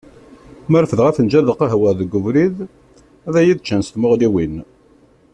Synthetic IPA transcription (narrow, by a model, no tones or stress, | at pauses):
məɾfəðʁæθənd͡ʒæðəqːɑɦwəɾðəɡʊvɾið | æðæjiðt͡ʃːənst̪mʊʁliwin